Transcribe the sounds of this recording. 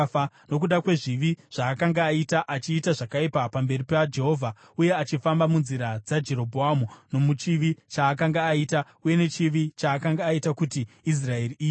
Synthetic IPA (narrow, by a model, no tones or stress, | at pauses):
a | no̞kuɗakwe̞ʐiʋiʐ̥aːkaŋɡaːitaʔat͡ʃiːtaʐakaipapambe̞ripad͡ʒe̞ɦo̞ːvʱa | uje̞at͡ʃifambamunziɾad͡zad͡ʒe̞ɾo̞bʱoamuno̞mut͡ʃiʋit͡ʃaːkaŋɡaːita | uje̞ne̞t͡ʃiʋit͡ʃaːkaŋɡaːitakutiːs̬rae̞riiːje